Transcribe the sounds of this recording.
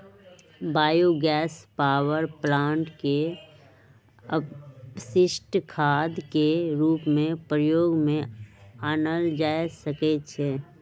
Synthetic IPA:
baːjuɡɛːspaːwəɾplãːɳʈke | əsɪʃʈkʰaːd̪keɾuːpmẽpɾəjoːɡmẽaːnəld͡ʒaːjsəket͡ʃʰeː

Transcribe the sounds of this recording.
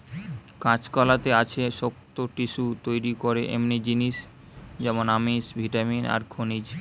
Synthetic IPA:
kãt͡ɕkɔlat̪eat͡ɕʰeʃok̚t̪oʈiʃut̪ojɾikoɾeʔḛmnid͡ʑiniʃ | d͡ʑɛmonamisbʱiʈamina̰ɾkʰonid͡ʑ

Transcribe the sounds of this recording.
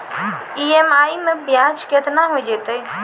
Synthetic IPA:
iemaimebʱjãd͡ʒkjət̪naɦojd͡ʒet̪ə

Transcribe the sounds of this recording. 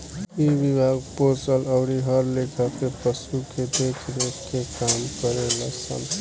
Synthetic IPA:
ibibʱaɡposʌlʌwɽiɦʌɾlekʰap̪epʌsuked̪ekʰɾekekamkʌɾelasʰʌ̰n

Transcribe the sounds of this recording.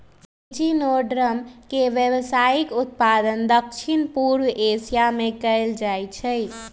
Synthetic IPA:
d͡ʒinoɖɾəmkeʋjəwsaikʊt̪̚pad̪ənd̪əkʃʰinpuɾwesijamekəɪld͡ʒajt͡ʃʰɛ

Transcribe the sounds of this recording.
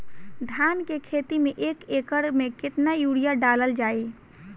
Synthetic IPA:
d̪ʱankekʰet̪imeʔekekəɽmekɪt̪najuɽijaɖaləld͡ʒai

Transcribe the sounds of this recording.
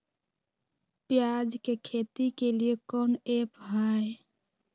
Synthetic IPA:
pjad͡ʒkekʰet̪ikeliekɔːnepɦae

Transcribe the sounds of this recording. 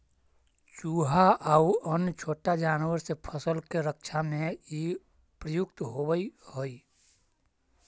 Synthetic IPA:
t͡ʃuːɦaʔauənt͡ʃʰoːʈad͡ʒaːnwəɾsepʰəsəlkeɾəkʃʰamẽi | pɾəjʊkt̪ɦobəihoːiː

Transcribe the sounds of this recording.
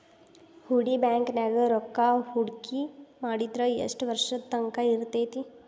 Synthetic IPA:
huɽibɛ̃ːŋknɛɡəɾokːahuɽkʰimaːɽit̪ɾəjɐ̰sʈʋəɾʃət̪ːə̃ŋkaiɾt̪et̪ʰi

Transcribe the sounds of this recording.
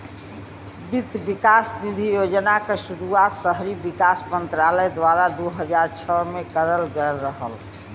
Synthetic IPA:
bit̪bikast̪id̪ʱijod͡ʒnakeʃuɾuat̪səɦɾibikasmənt̪ɾaləjd̪waɾad̪uɦəd͡ʒaɾt͡ʃʰəmekəɾəlɡelɾəɦəl

